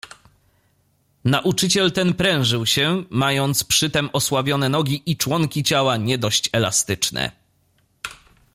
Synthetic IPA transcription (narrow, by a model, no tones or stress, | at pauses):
naʔut͡ʂɘt͡ɕɛlt̪ɛnpɾɛ̃w̃ʐɘwɕɛmajɔnt̪spʂɘt̪ɛmɔswavʲjɔn̪ɛnɔɡʲiʔit͡ʂwɔŋkʲit͡ɕawaɲɛd̪ɔɕt͡ɕɛla̰st̪ɘt͡ʂnɛ̰